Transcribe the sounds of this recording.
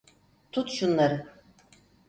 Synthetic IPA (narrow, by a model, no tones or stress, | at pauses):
t̪ʰut̪ʃunlˠaɾɯ